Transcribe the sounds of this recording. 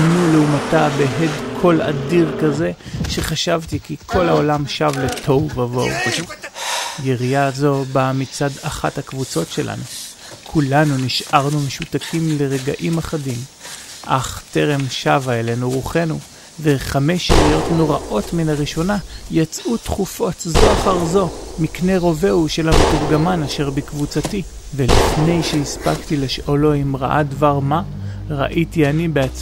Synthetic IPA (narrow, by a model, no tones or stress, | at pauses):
nuleumatabeɦedkʰo̞la̰diʁkaze̞ʃe̞χaʃavtikikʰo̞laolamʃavle̞tʰo̞wvavo̞̰w | jeʁijazo̞bamit͡sadaχathakvut͡so̞tʃelʔa̰nu | kʰulanuniʃaʁnume̞ʃutakʰimle̞ʁe̞ɡa̰ʔimaχadimʔa̰χte̞ʁe̞mʃavaele̞nuʁuχe̞nu | veχame̞ʃijo̞tnoʁaʔo̞tminaʁiʃo̞najat͡sʔutχufo̞tzoaχaʁzo̞mikne̞ʁo̞ve̞uʃelanutufɡamanaʃe̞ʁbikvut͡sati | velifne̞jʃeispa̰ktileʃʔolo̞imʁa̰ʔadvaʁma | ʁa̰ʔitianibeat͡s